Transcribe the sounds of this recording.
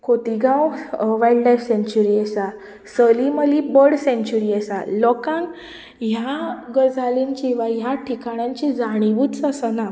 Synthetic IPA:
kʰot̪iɡãwʋajlɖlajfsẽɲt͡ɕuɾiɛsa | səliməlibəɽsẽɲt͡ɕuɾiɛsalɔkãn | ɦjaɡəd͡zʱaliɲt͡ɕiʋajaʈʰikaɽ̃jãɲt͡ɕid͡zaɽ̃iʋuːt͡səsəna

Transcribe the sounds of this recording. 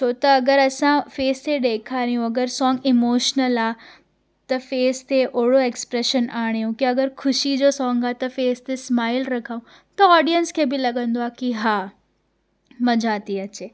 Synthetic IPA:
t͡ɕʰoːt̪ɐːɡəɾɐsãfeːst̪ʰeɗeːkʰaːɾijũɐɡəɾsɔ̃ːŋɡɪmoːʃnəlaː | t̪ɐfeːst̪ʰeʔoːɽoekspɾeʃənaːɽ̃jũkiɐɡəɾkʰʊʃid͡ʑoːsɔ̃ːŋɡaːt̪ɐfeːst̪ʰesmaːɪlɾɐkʰaũ | t̪ɐɔːɖijənskʰeːbɪlɐɠə̃nd̪oaːkiɦaː | mɐd͡ʑʱat̪iɐt͡ɕeː

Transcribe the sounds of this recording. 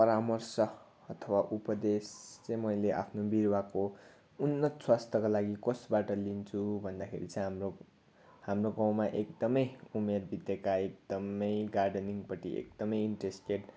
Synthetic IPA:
pʌɾamʌrsʌ | ʌt̪ʰʌwaʔupʌd̪est͡sʌ̃jmʌjleʔa̰pʰnobirwako | unːʌswast̪ʌkolaɡikosbaʈʌlint͡sʰubʱʌnd̪akʰḛɾit͡sʌ̃j̃ɦamro | hamroɡãw̃maʔek̚d̪ʌmʌjumerbʱit̪jekaek̚d̪̥ʌmʌjɡarɖʌniŋɡpʌʈḭḛk̚d̪̥ʌmʌjinʈresʈeɖ

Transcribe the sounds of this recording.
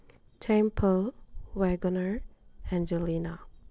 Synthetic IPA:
tʰɛ̃mpʰəlwɛɡɔnəɹɛ̃nd͡ʒəlina

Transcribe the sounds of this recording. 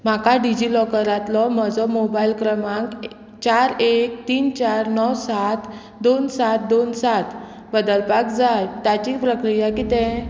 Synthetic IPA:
m̤akaɖid͡ʑilɔkəɾãt̪lɔməd͡zɔmobailkɾəmãk | t͡ɕaɾek̚t̪iːnt͡ɕaɾnɔwsat̪ | d̪onsat̪̚d̪onsat̪ʰ | bəd̪əlpakd͡zalt̪jat͡ɕipɾəkɾijakit̪ɛ̃

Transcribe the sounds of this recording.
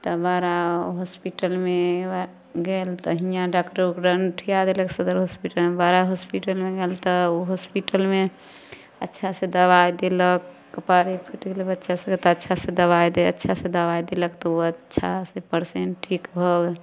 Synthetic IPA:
t̪ɔbaɾaɦospiʈəlme | ɡelt̪əɦijãɖakʈoɾkɾənʈʰijad̪eləksəd̪əɾɦospiʈəlmebaɾaɦospiʈəlmeɡelt̪ɔuɦospiʈəlme | ətːʃʰasẽd̪əbajd̪eləkː | əpaɾipʰiʈɡelebətːʃasẽɡet̪ɔətːʃʰasẽd̪əβajd̪eətːʃʰasẽd̪əbajd̪eləkt̪ɔuətːʃʰasepəɾsenʈʰikbʱɔɡe

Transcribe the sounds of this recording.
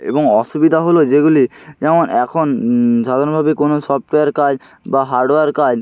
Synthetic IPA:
ḛboŋɔʃubid̪ʱaɦolod͡ʑeɡulid͡ʑɛmonɛkʰonʃad̪ʱaɾonbʱabekonosɔfʈeaɾkad͡ʑ | baɦaɾɖoeaɾkad͡ʑ

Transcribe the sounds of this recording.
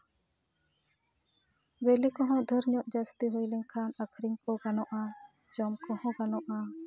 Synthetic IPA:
belikɔɦɔ̃d̪ʱəɾɲɔʔd͡ʒəst̪iɦojlɛɲkʰanakʰɾiŋkɔɡanɔʔa | d͡ʒɔmkɔhɔ̃ɡanɔʔa

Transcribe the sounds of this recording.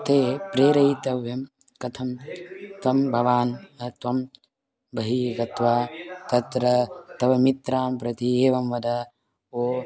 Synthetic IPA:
t̪eːpɾeːɾɐit̪ɐʋjɐm | kɐt̪ʰɐmt̪ʋɐmbʱɐʋaːnt̪ʋɐm | bʱɐɦiːɡɐt̪ʋaːt̪ɐt̪ɾɐt̪ɐʋɐmit̪ɾaːmpɾɐt̪ieːʋɐmʋɐd̪ɐ | oː

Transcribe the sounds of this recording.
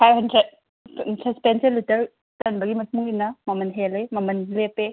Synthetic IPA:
pʰajbɦɐndɾed | sɐspenseɾlitɐɾ | tɐnbɐɡimɐt̚muŋinɐmɐmɐnɦelejmɐmɐnlepe

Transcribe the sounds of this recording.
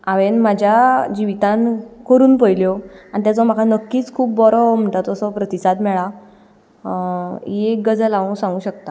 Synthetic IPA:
aʋenmad͡ʑʱjad͡ʑiʋit̪ãnkəɾuːnpəjljoanit̪jat͡sɔmakʰanəkːiːt͡skʰuːp̚bɔɾɔm̤əɳʈ̪at̪ɔsɔpɾət̪isad̪mɛɭa | eɡəd͡zəlaʋũsãŋɡuːɕək̚t̪a

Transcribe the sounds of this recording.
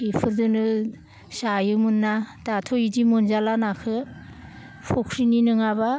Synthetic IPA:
ipʰɯɾdɯnɯ | sajɯmɯnːatatʰojidimunzalanakʰɯ | pʰokʰɾininɯŋaba

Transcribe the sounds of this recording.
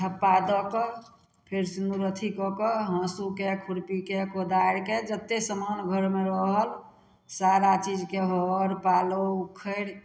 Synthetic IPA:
tʰəpːad̪ɔkɔ | pʰeɾsinuɾət̪ʰikɔkɔɦə̃sukekʰuɾpikekod̪aɾked͡ʒət̪ːesəmanɡʱəɾmeɾəɦəl | saɾat͡ʃid͡ʒkeɦɔɾpalokʰəɾ

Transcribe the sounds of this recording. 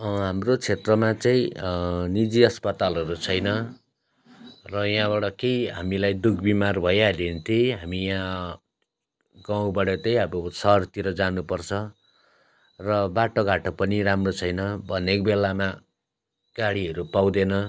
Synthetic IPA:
ɦamrot͡sʰet̪rʌmat͡saĩnid͡ziʌspʌt̪alʌɾut͡sʰʌjnʌ | rʌjãbaɽʌkejɦa̰milajd̪ukʰbimarbʱʌjad̪ent̪ʰiɦamijã | ɡaw̃bʌɽʌt̪ʌjʌbosʌɦrt̪iɾʌd͡zanupʌrt͡sʰʌ | rʌbaʈoɡʱaʈʌpʌniɾamrot͡sʰʌjnʌbʱʌnek̚belama | ɡ̥aɽiɦʌɾupaw̃d̪enʌ

